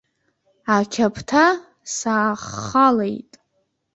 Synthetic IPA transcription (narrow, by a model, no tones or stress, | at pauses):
akʲʰapʰtʰa | saːχalejtʼ